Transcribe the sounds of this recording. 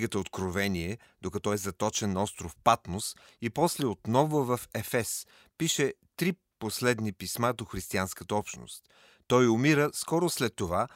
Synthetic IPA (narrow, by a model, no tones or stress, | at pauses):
ɡət̪əot̪kɾovɛniɛ | d̪̥okɐt̪ɔɛzɐt̪ɔt͡ʃɛnːɐɔst̪ɾofpat̪nosipɔslɛot̪nɔvʊvɐfɛfɛs | piʃɛt̪ɾi | poslɛd̪nipismad̪oxɾist̪ianskət̪əɔpʃno̰st̪ː | ɔjʊmiɾəskɔɾʊslɛt̪ːova